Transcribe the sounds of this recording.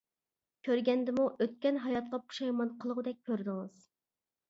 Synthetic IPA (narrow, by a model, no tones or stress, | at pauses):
kʲʰøɾɡʲɛnd̪ɪmuʔøt̪̚kʲɛnɦɑjɑt̪̚qɑpʰu̥ʃɑjmɑnqʰəlˠəʁʊd̪ɛk̚ʲkʰʲːøɾd̪ɪŋɨz̥